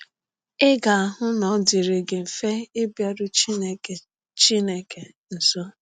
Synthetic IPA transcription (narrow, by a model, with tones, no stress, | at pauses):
ɪ˦ɡa˨a˨ɦʊ˦nɔ˨˦dɪ˨ɾe˨ɡe˨m̩˨fe˦e˦bja˦dʊ˦t͡ʃi˦˨ | t͡ʃi˦ne˦ke˨ | n̩˨sɔ˦